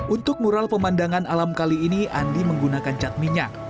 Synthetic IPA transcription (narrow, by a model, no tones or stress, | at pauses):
unt̪ʊk̚muɾalpəmandaŋanalamkaliːniʔandiməŋɡunakant͡ʃat̪̚miɲak̚